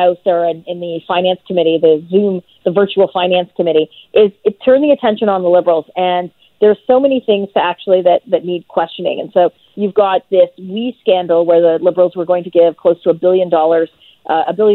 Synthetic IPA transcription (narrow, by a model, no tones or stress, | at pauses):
ʊsə˞ɨ̃nɪ̃nðɨfãɪ̃næ̃nskʰəmɪɾiðɨzʉ̃m | ðəvɜ˞t͡ʃul̩ˠfãɪ̃næ̃nskʰɨmɪɾiʔɪzɨtʰɜ̃˞nðiɨtʰɛ̃nʃɨ̃nə̃nðəlɪbə˞l̩ˠzɨ̃n | ðə̥˞soʊmɛniθɪ̃ŋz̥tʰɨæk̚t͡ʃul̩ˠiðɨt̪̚ðɨtⁿnid̚kʰw̥ɛst͡ʃɨnɪ̰̃ŋɨ̰̃nsoʊ | jʉvɡɑt̪̚ðɪswiskæ̃ndˡl̩ˠwə˞ðɨlɪbə˞l̩ˠzwə˞ɡoʊɪ̃ŋtʰɨɡɪv̥kʰl̥oʊstʰəːbɪlˠjɨ̃ndɔlˠə˞z̥ | ʔʔəbɪlˠjɨ̃